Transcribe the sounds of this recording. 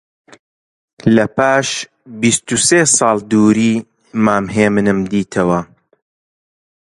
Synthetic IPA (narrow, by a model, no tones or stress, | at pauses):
lɐpaːʃ | bist̪useːsɑːlˠd̪uːɾiː | maːmɦeːmɨnɨmd̪iːt̪ʰɐwɐ